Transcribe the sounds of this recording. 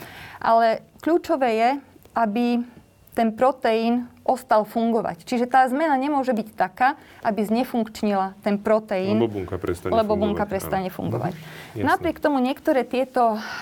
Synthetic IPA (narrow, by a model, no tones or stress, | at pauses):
ʔa̰lɛkʎuːt͡ʃɔʋɛːjɛʔabi | t̪ɛnpɾɔt̪ɛiːnʔɔst̪alfuŋɡɔʋa̰ct͡ʃiʒɛt̪aːzmɛnaɲɛmʊɔʒɛbict̪akaːʔabizɲɛfuŋkt͡ʃɲilat̪ɛnpɾɔt̪ɛiːnŋɛlɛbɔbuŋkapɾɛst̪aɲɛfṵŋɡɔ̰ʋa̰cnapɾɪɛkt̪ɔmuɲɪɛkt̪ɔɾɛːt̪ɪɛt̪ɔ